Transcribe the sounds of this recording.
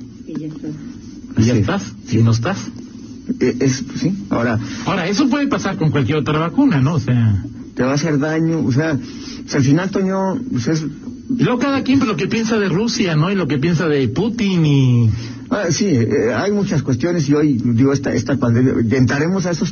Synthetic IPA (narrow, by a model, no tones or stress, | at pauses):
aʝat̪assinoes̬t̪as | eessia̰oɾaaoɾae̞s̬o̞p̬we̞ðepasaɾko̞ŋkwalkjeɾo̞t̪ɾaβakunano̞ːsea | t̪eβaːse̞ɾðaɲoos̬ea | osealfinalt̪oɲopeses̬ | ilweɣokaðakjimpolok̬e̞pje̞nsaðe̞rusjano̞ilo̞kepje̞nsaðe̞put̪ini | asieajmut͡ʃaskwest̪jo̞ne̞s̬iojd̪iɣoest̪aʔḛst̪apand̪emja̰ent̪ɾaɾe̞mo̞s̬aesos